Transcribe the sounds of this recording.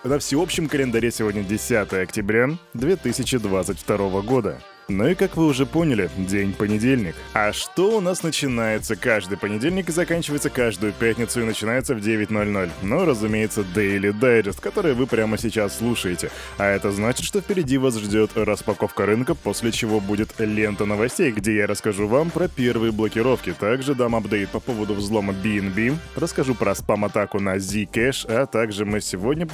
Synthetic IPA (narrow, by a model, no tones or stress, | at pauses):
nəfsʲɪo̞pɕːɪmkəlʲɪnd̪ɐɾʲesʲɪvodʲnʲədʲɪsʲat̪əjəɐktʲɪbɾʲad̪vʲe̞t̪ɨsʲɪt͡ɕɪd̪vat̪sɨtʲft̪ɐɾo̞vəɡo̞d̪ə̰ | nuikakvɨʊʐɛponʲɪlʲɪdʲenʲpənʲɪdʲelʲnʲɪkɐʂt̪o̞ʊnasnət͡ɕɪnajɪt̪səkaʐd̪ɨjpənʲɪdʲelʲnʲɪkɨzɐkanʲt͡ɕɪvəjt̪səkaʐd̪ʊjʊpʲætʲnʲɪt̪sʊɪnət͡ɕɪnajɪt̪səvdʲevʲɪtʲno̞lʲno̞lʲnuɾəzʊmʲejɪt̪səd̪ɛɪlʲɪd̪ajdɪst̪kɐt̪o̞ɾɨjəvɨpɾʲaməsʲɪt͡ɕasːlˠuʂəjɪtʲɪ | ɐɛt̪əznat͡ɕɪt̪ʂt̪ofʲpʲɪɾʲɪdʲivasʐdʲo̞t̪ɾəspɐko̞fkəɾɨnkəpo̞sʲlʲɪt͡ɕɪvo̞budʲɪt̪lʲe̞nt̪ənəvɐsʲtʲejɡdʲe̞jaɾəskɐʐuvampɾəpʲe̞rvɨjəblˠəkʲɪɾo̞fkʲɪt̪aɡʐɨd̪amɐbd̪ejt̪̚pɐpo̞vəd̪ʊvzlˠo̞məbʲinbʲimrəskɐʐupɾəɐspamɐt̪akʊnɐzʲikɛʂɐt̪aɡʐɨmɨsʲɪvo̞dʲnʲə